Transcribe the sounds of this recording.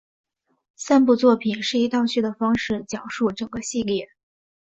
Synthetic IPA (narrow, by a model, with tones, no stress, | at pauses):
sa˥npu˥˧t͡swɔ˥˩pʰi˨˩nʂɻ̩˥˩i˧˥t̪ɑ˥˧ʊɕy˥˩d̪ə˩fɑ˥ŋʂɻ̩˥˩t͡ɕjɑ˨˩ʊʂu˥˩ʈ͡ʂɤ˨˩ŋɡə˦ɕi˥˧ljɛ˥˩